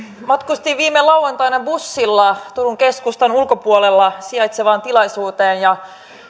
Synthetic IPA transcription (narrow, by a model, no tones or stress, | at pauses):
mɑt̪kust̪iʋʋiːmelɑwːɑnt̪ɑinɑbusːilːɑt̪uruŋkeskust̪ɑnulkopuolelːɑsiɑjt̪seʋɑːnt̪ilɑisuːt̪eːnjɑ